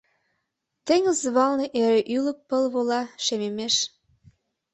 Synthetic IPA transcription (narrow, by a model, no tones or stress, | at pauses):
t̪eŋəzβɑlneʔeɾeʔylək̚pəlβolɑʃememeʃ